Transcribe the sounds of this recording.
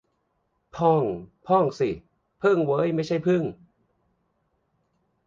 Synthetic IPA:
pʰɔ˥˩ŋpʰɔ˥˩ŋsi˨˩ | pʰɯ˥˩ŋwɤː˦˥˨jma˥˩jt͡ɕʰa˥˩jpʰɯ˥˩ŋ

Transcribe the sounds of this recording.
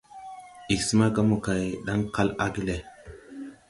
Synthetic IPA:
i˨ksə˦ma˦ɡa˦mu˨ka˨jɗa˦ŋka˦la˦ɡi˦le˨

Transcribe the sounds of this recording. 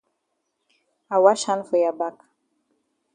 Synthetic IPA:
a˨wa˦ʃa˦nfɔ˨ja˨ba˦k

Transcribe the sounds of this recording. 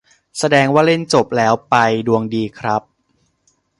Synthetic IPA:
sa˧dɛː˧ŋwaː˥˩le˥˩nt͡ɕo˨˩p̚lɛː˦˥wpa˧jdu˧əŋdiː˧kʰɾa˦˥p̚

